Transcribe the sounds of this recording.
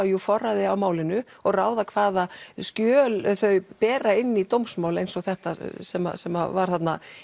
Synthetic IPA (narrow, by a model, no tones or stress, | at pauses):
jufɔrːaðɪawmaːwlɪnʏ | ɔɣraːwðakʰvaːðascjœːlθœɥpɛːɾaɪnːit̪owmsmaːwlejnsɔɣθɛht̪asɛma̰sɛmːa̰vaɾ̥θat̪na